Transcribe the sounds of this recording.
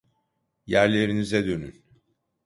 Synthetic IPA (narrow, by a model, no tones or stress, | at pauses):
jæɾlʲe̞ɾinizɛd̪øny̰n